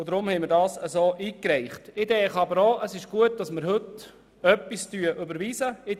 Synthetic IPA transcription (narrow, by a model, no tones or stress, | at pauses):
ʊd̪ɾʊmhɛɪmɪɾdɑːsəsoːʔiːkɾɛɪχtɪd̪ɛːχɑbəɾoːʔəsɪʃɡ̥uət̚d̥ɑsməɾhɵt | œpːistyəʔʉbəɾʋiːsəɪ